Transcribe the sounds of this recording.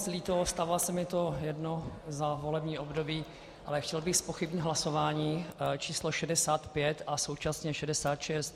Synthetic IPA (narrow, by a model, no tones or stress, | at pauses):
zlit̪ost̪avɪlasɛmɪt̪o̞jɛdno̞zavo̞lɛbɲiːʔo̞bdo̞biː | ʔa̰lɛxcɛlbɪxspoxɪbɲɪd̪ɦlaso̞vaːɲiːt͡ʃiːsloʃɛdɛsaːt̪pjɛt̪ʔaso̞wt͡ʃasɲɛʃɛdɛsaːt̪ʃɛst̪